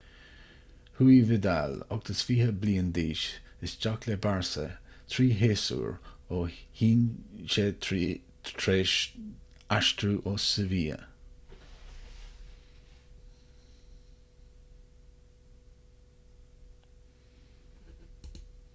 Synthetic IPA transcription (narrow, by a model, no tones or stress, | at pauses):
huːivɪd̪a̰lɔ̰ɡ̚t̪ʰəsfiːhəbliːənd̪iːʃ | ɪsd͡ʒaklɛbaɹsə̰t̪ʰɾiːɦeːsṵːɹohiːnʃetːʰ | ɾeː | aʃt̪ɾuːʔɔsəviːə̰